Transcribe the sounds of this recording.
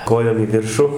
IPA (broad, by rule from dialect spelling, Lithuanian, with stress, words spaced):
ˈkoːjoːm iː ˈʋʲɪrʃʊ